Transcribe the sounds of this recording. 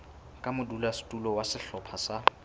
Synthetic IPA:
kʼamʊdulastʼulɔwasɪɬɔpʰasa

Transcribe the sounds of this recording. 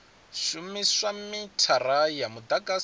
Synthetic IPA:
ʃumisamitʰaɾajamud̪akʼa

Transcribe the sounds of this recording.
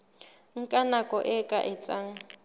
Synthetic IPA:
ŋ̩kʼanakʼɔʔɪkʼa̰ʔɪt͡sʼaŋ̩

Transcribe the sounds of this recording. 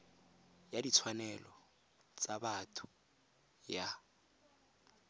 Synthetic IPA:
jadit͡sʰwanɛlɔ | t͡sʼabatʰu̥ | ja

